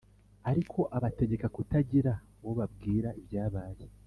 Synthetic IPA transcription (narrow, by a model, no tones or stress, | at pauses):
aɾikʰo̞ʔaβate̞ɟe̞kakutaɟiɾa | woβab̚ɡiːɾaivjaːβaːje